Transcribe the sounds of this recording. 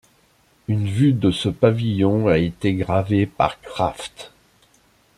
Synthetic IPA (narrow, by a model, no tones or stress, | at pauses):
ynvyd̪əsəpavijɔ̃aet̪eɡʁavepa̰ʁkχaft̪